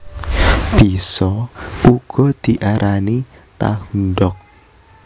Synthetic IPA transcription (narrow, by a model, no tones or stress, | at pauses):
b̥isɔuɡ̥ɔ̤d̪̥i̤ʔaɾʔani | t̪a̰hunɖɔk̚